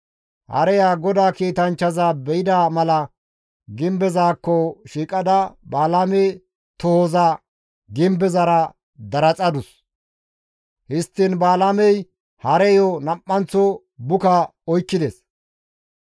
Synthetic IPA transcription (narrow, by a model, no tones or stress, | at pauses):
hɐ̰ɾɛjaːɡɔd̪aːkiːt̪ɐnt͡ʃːɐzabɛjɪd̪aːmɐlɐ | ɡɪmbɛzaːkːɔʃiːkʼɐd̪ɐbaːlameː | t̪ɔhoza | ɡɪmbɛzɐɾɐ | d̪ɐɾɐt͡sʼɐd̪ʊs | hɪst̪ːɪnbaːlamɛj | hɐɾɛjɔnɐpʼːɐnt͡sɔ | bʊkɐɔjkːɪd̪ɛs